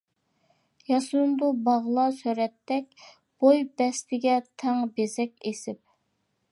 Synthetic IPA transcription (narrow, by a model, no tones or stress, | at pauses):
jɑsund̪ubɑʁlˠɑsøɾɛt̪ʰːɛkʲ | b̥ojbɛst̪ʰɪɡʲɛt̪ʰɛŋbezɛkʲesɪp̚